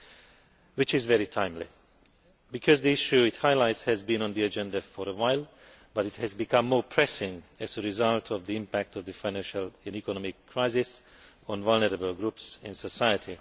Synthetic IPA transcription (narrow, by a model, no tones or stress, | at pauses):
wɪt͡ʃɪzvɛɹitʰãɪ̃mlḭ | bɨkʰɔzðiɪʃʉɪthaɪlaɪtshɨzbĩnə̃nðiɨd͡ʒɛ̃ndəfəɹəwaɪlˠ | bʌɾɨthɨzbɨkʰʌ̃mːɔpʰɹ̥ɛsɪ̃ŋɨzəɹɪzʌlˠtʰɔvðiɪ̃mpæk̚tɔvðɨfãɪnæ̃nʃəlɛ̃nikənɔmɪkʰːɹ̥aɪzɪs | ə̃nvʌlˠnəɾəbəlˠɡɹupsɪ̰̃nsəsaɪətʰi